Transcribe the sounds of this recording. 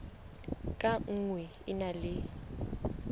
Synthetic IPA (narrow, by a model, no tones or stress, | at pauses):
kʼaŋ̩ŋwɛ | ɪnalɪ